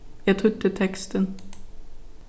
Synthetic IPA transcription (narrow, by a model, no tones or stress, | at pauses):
jæt̪ʰɾʉt̪ːət̪ʰɛkst̪ən